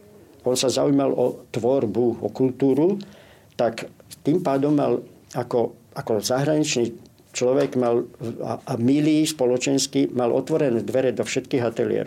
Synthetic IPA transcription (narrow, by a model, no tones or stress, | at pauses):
ɔnsazaujmalɔt̪ʋɔɾbuɔkult̪uːɾu | t̪akt̪iːmpaːd̪ɔmːa̰lakɔakɔzaɦɾaɲit͡ʃniː | t͡ʃlɔʋɛɡmala̰amiliːspɔlɔt͡ʃɛnskimalɔ̰t̪ʋɔɾɛnɛːd̪ʋɛɾɛd̪ɔfʃɛt̪kiːɦat̪ɛlḭɛ̰ɾɔ